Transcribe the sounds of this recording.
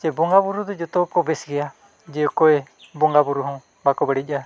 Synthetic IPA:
t͡ʃɛbɔŋɡabuɾud̪ɔd͡ʒɔt̪ɔkɔbɛsɡɛja | d͡ʒɛɔkɔɛ | bɔŋɡabuɾuɦɔ̃ | bakɔbɛɽic̚ˀa

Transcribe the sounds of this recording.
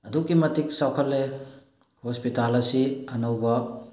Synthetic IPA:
ɐdukːimɐtiksawkʰɐlːe | hospitalɐsiɐnɐwbɐ

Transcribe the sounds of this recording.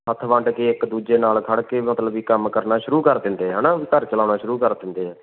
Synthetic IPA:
ɦət̪ʰʋə̃ɳɖkeːɪkd̪uːd͡ʒeːnaːlkʰəɽkeːmət̪ləbiːkəmkəɾnaːʃʊɾuːkəɾd̪ɪ̃nd̪eːɦɛːnaːikəɾt͡ʃəlaːñaːʃʊɾuːkəɾd̪ɪ̃nd̪eːɦɛː

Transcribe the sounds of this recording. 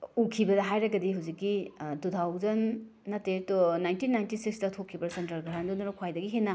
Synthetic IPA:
ukʰibɐdɐɦajɾɐɡɐdiɦawzikːidutʰawzɐnːɐtetonajntinajntisiksdɐtʰokʰːipɐɾsentɐɾɡaɾandonɐɾokʰwajdɐɡiɦenɐ

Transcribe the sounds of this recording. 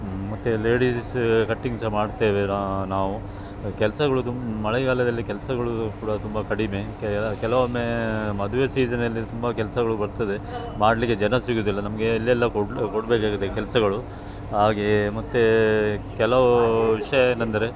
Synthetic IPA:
mɐt̪ːele̞ːɽiskɐʈːiŋsɐmaːɽt̪eːʋenanaːʋu | kɛlsɐɡɐɭut̪ummɐɭɛɡaːlɐd̪ɐlːikɛlɐsɐɡɐɭukuːɽɐt̪umbɐkɐɽime̞kkɛlɐʋomːemɐd̪uʋesiːd͡ʒɐnɐlːit̪umbɐkɛlɐsɐɡɐɭubɐɾt̪ɐd̪e̞ | maːɽlikːed͡ʒɐnɐsiɡuːd̪ilːɐnɐmɐɡe̞ɐlːɛlːɐkokoɽbeːkaːɡit̪ːekɛlsɐɡɐɭu | ɦaːɡemɐt̪ːekɛlɐʋɐʋiʂɐjɐenːɐnd̪ɐɾe̞

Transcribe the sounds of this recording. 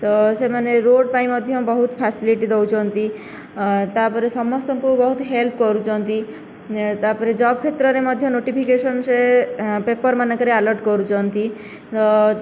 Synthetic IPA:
t̪ɔsemaneɾoɖpaĩmɔd̪ʱjɔbɔɦut̪pʰasiliʈid̪owt͡ʃʰɔnt̪i | t̪apɔɾesɔmɔst̪ɔŋkubɔɦut̪ɦelpkɔɾut͡ʃʰɔnt̪i | t̪apɔɾed͡ʒɔbkʰet̪ɾɔɾemɔd̪ʱjɔnoʈipʰikesɔnsepepɔɾmanɔkɔɾealɔɾʈkɔɾut͡ʃʰɔnt̪i | t̪ɔ

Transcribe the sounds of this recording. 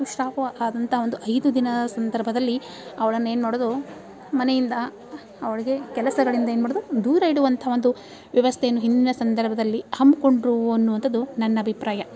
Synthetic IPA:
uʃɾaːpɐɐʔaːd̪ɐnt̪ʰɐɦɐo̞nd̪uʔɐjd̪ud̪inɐdɐsɐnd̪ɐɾbʱɐd̪ɐlːi | ɐʋɐɭɐnːueːnmaːɽoːd̪u | mɐnejind̪ɐ | ɐʋɐɭiɡe̞kɛlɐsɐɡɐɭind̪ɐeːnmaːɽod̪ud̪uːɾɐiɽuʋɐnt̪ʰɐɦaʋo̞nd̪u | ʋjɐʋɐst̪ʰeːnːuɦind̪inɐsɐnd̪ɐɾbʱɐd̪ɐlːihɐmko̞ɳɖɾuɐnːuʋɐnt̪ʰɐd̪unɐnːɐːbʱipɾaːjɐ

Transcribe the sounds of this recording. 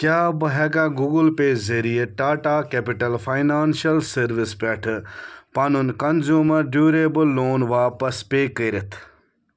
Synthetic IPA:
kʲjaːbɨɦɛːɡãːɡuːɡulpeːzeɾijeʈaːʈaːkeːpiʈɐlfʰaːjnaːnʃɐlsɐɾʋispɛːʈʰpanunkɐnzjuːmɐɾɖjuːɾeːbɨlːoːnʋaːpɐspeːkəːɾet̪ʰ

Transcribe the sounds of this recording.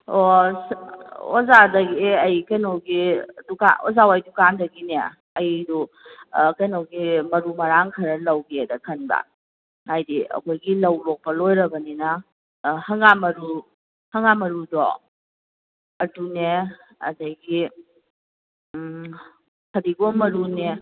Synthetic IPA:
osozadɐɡiɐjkɐjnowɡiduka̰ozawajdukandɐɡinḛ | ɐjdu | kɐjnowɡimɐɾumɐɾaŋkʰɐɾɐlɐwɡiedɐkʰɐnbɐ̰ | ajdiɐ̰kʰojɡilɐwlok̚pɐlojɾɐbɐninɐ | hɐŋamɐɾu | hɐŋamɐɾudɔ̰ | ɐdune | ɐ̰dɐjɡi | hʰɐdiɡomɐɾune

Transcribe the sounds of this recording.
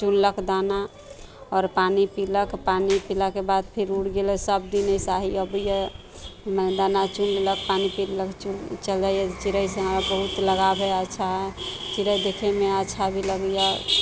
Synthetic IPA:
t͡ʃunləkʰd̪ana | ɔːɾpanipiləkpanipilakebad̪̚pʰiɾuɽɡelesəb̚d̪inəjsaɦiəbəjə | məd̪anat͡ʃunlək̚panipilləkt͡ʃult͡ʃəld͡ʒaijɛt͡ʃiɾəjseɦəmɾabəɦut̪ləɡabʱɛətːʃʰaɦɛt͡ʃiɾəjd̪ekʰemeətːʃʰabʱiləɡja

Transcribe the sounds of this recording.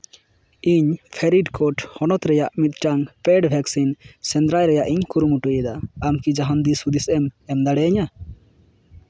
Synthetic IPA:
iɲpʰɛɾiɖkɔʈhɔnɔt̪ɾɛjaʔmit̪̚ʈaŋpɛɖbʱɛksinsɛnd̪ɾajɾɛjaʔiɲkuɾumuʈujɛd̪aːmkid͡ʒaɦand̪isud̪isɛmɛmd̪aɽɛɲa

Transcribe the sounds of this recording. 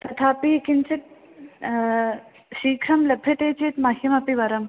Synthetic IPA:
t̪ɐt̪ʰaːpiikint͡ʃit̪̚ | ʃiːkʰɾɐmlɐbʱjɐt̪eːt͡ʃiːt̪mɐɦjɐmɐpiʋɐɾɐm

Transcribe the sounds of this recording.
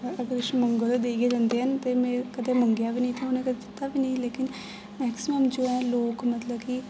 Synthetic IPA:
əɡəɾʊʃməŋɡəlod̪eːɡeːd͡ʒãːnd̪eːɦənt̪eːmɛ̃ːkət̪eːməŋɡjaːʋiːnəĩːt̪ʰõʊnẽːkət̪eːd͡ʒɪt̪ːaːʋiːnəĩleːkɪn | mɛːksɪməmd͡ʒoːɛ̃ːloːkmət̪ləbki

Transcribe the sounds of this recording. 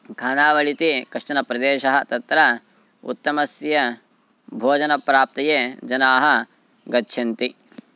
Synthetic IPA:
kʰaːnaːʋɐɭit̪ikɐʂʈɐnɐpɾɐd̪eːʃɐɦɐ̆t̪ɐt̪ɾɐ | ṵt̪ːɐmɐsjɐ | bʱoːd͡ʒɐnɐpɾaːp̚t̪ɐjeːd͡ʒɐnaːɦɐ̆ | ɡɐtːʃʰɐnt̪i

